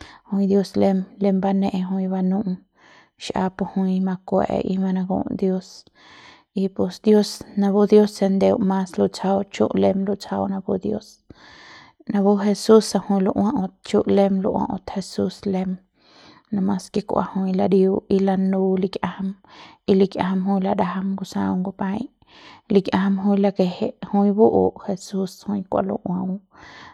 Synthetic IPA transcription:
hũ˧ĩ˧d̪jo˦sle˦mle˦˧mba˦nẽ˦ʔe˧ɦũ˧i˧ba˧nũ˦ʔ | ʃʔa̰˧po˧hũ˧ĩ˧mã˧kʷḛ˨ʔʔḭ˧mã˧nã˧ɡṵ̃ː˧˨ʔd̪jo˦s | i˧po˧sd̪jo˦snã˧bo˦d̪jo˦sːe˧nd̪e˧wmã˧slo˧t͡sa˧wt͡ʃṵ˦ʔle˧mlo˧t͡sa˧wnã˧bo˦d̪jo˦s | nã˧bo˦ɦe˧su˦sːa˧hũ˧j̃lu˧ʔwã˦ʔõ˧t̪̚t͡ʃu˦ʔle˦mlo˧ʔwã̰˧ʔõ̰˧t̪he˧su˦sle˦m | nã˧mã˧ske˧kʷʔa̰˨hũ˧jla˧ɾju˦i˧la˧nu˧li˧kjʔa˦ha˧mi˧li˧kʲjʔa̰˧ha˧mɦũ˧jla˧ɾa˧ɦa˧mɡu˧sã̰˧wŋɡo˧pã˧j | li˧kjʔã˧ha˦mɦũ˦jla˧ke˧he˦ʔhũ˦j̃bu˦ʔo˨ʔhe˧su˦shũ˧j̃kʷa̰˨lṵ˧ʔwã˧w

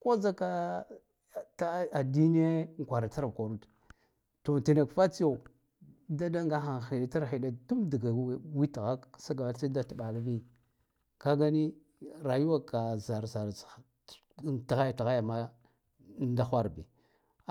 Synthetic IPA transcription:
ko˦za˦ka˦˨ | ta˦a˨di˦ni˦ja˦ŋ˨kʷa˨ɾa˨ta˦ɾkʷa˨ɾu˦t | to˨ti˨na˨kfa˦t͡si˦jo˦˨ | da˦da˦ŋɡa˦xa˨i˨da˨ta˦ɾi˨da˨tu˦mdi˨ɡa˨˦wi˦tɣa˦ksa˦ɡa˨a˨˦e˦da˦ta˨ɓa˨la˦bi˦ | ka˦ɡa˦ni˦ | ɾa˨ju˦wa˦ka˨za˨ɾza˨ɾ | ta˨ɣa˦ja˨ta˨ɣa˦ja˨ma˦ | nda˦xʷa˦ɾbḭ˨

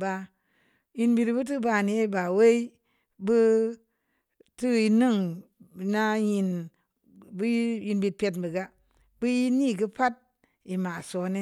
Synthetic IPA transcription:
ba˧ | ji˧nbi˧tbɨ˦t̬ɨ˦ba˧˨ni˨e˦ba˨we˦i˦ | bɨ˦ | tɨ˦i˧nɨ˦˨ŋ˨na˦ji˧n | bji˧nbi˨t̚pe˧t̬bi˨ɡa˦ | bɨ˦ji˦ni˦˨ɡɨ˦pa˦t̚ | i˨ma˨so˨˦ne˦

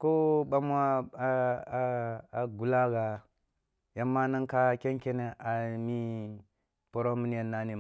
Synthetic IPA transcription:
ko˦ɓa˦m˦a˦ | a˨ɡu˨la˦ɡa˨ | ja˦mːa˦na˦ŋka˦kʲe˦ŋkʲe˦ne˦ʔa˨mi˦ | po˨ɾo˦mi˨n˦a˨nːa˦ni˨

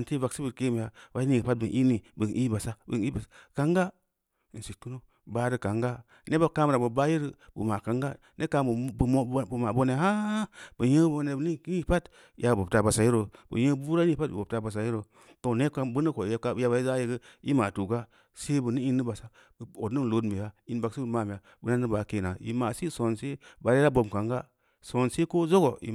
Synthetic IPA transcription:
a˨nti˦va˨ksi˦bi˨ɾke˦m˨ja˨ba˦i˦i˦˨ɡpa˦t̚bɨ˨nʔi˦ni˨bɨ˨ni˦ba˨sa˦bɨ̰˨ni˦ba˨˦ka˦ŋɡa˦˨ | n˨si˨tu˦no˦ | ba˦ɾi˦ka˨ŋɡa˦ | ne˦ba˦ka˦m˨ɾa˨bɨ˨ba˦ji˦ɾi˦bɨ˨ma˨ka˨ŋɡa˦ | ne˦ka˨˦bbu˨ma˨bo˦ne˨ɦa˦b̥ɨ˨jə˦bo˦ne˨bni˦ki˦pa˦t | jʔa˨bo˨p̚ta˨ba˨sa˨ji˦ɾo˨bə̰˨jə˦bu˦ɾa˦i˦i˦pa˦tbo˨p̚ta˨ba˨s̬a˨ji˦ɾo˨ | to˨ne˦ka˦bɨ˦nə˦ko˨˦ka˦ja˦ba˨i˦za˦ji˦ɡə˦ḭ˦ma˨tu˨ɡa˦ | se˦bə˨ni˦i˦nːɨ˦ba˨sa˨ | o˨nɨ˦n˨lo˦dmi˨ja˦i˦n˦ba˨ksi˦bu˨ma˦˨m˨ja˨ | bu˨na˦nɨ˦ba˨˦ke˨na˨ḭ˨ma˨si˦so˨nse˦ba˨ɾe˦ɾa˦bo˨m˨ka˨ŋɡa˦ | so˨nse˦ko˦zo˦ɡo˨ḭ˨

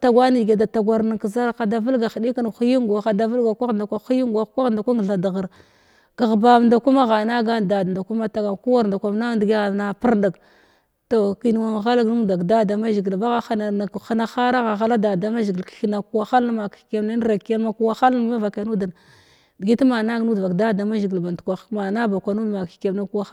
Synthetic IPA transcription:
ta˨ɡʷa˦ni˨ɡa˨da˨ta˨ɡʷa˨ɾna˨ki˨za˦ɾxa˨da˨və˦lɡa˨xi˨di˦ka˦nxu˦ji˦ŋɡa˨xa˨da˨və˦lɡa˨kʷa˦ɣnda˨kʷa˦xu˦ji˦ŋɡa˨˦kʷa˦ɣnda˨kʷa˦ŋ˨ɬa˨da˨ɣə˨ɾ | ka˨ɣba˨m˨nda˨ku˦ma˦ɣa˨na˦ɡa˦n˨da˨dnda˨ku˦ma˦ta˨ɡa˨ku˦wa˦˨ɾnda˨kʷa˨m˦na˦ndɡi˦ɣa˨na˨pi˦ɾda˨ɡ | to˨ki˦n˦wa˦ŋ˨ɣa˦la˦ɡnu˦˨da˨kda˦˨da˨ma˦ʒi˨ɡi˨lba˦ɣa˦xa˦na˨na˨kxa˦na˦xa˦ɾa˦ɣa˨ɣa˦la˦da˨da˦ma˦ʒi˨ɡi˨kxi˦na˨ku˦wa˦xa˦ln˦ma˨kke˦˨mna˦n˦ɾa˨ke˦lma˦ku˦wa˦xa˦lma˦va˨ka˨nu˦da˨n˨ | dɡi˦tma˨na˦ɡnu˦da˨kda˦˨da˨ma˦ʒi˨ɡi˨lba˨n˨tkʷa˨˦ma˨na˦ba˨kʷa˨nu˦dma˨kke˨mna˦ku˦wa˦

